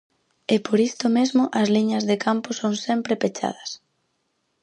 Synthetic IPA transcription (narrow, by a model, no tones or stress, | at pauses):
ɪpoɾist̪ʊmezmʊʔɐsliɲɐzðekʰamposoŋsɛmpɾepet͡ʃa̰ðɐs